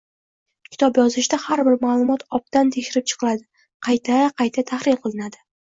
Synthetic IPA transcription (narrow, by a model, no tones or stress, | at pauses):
kʲʰɪ̥t̪ʰɒpjɒzɪʃd̪ahaɾbɪɾmaːlˠʊmɒt̪ʰɒp̚t̪ant̪ʰeʃɪɾɪp̚t͡ʃʰɨ̥qʰɨlad̪ɪ | qʰɑjt̪ʰaqʰɑjt̪ʰat̪ʰaχɾɪlqʰɨlˠɪnad̪ɪ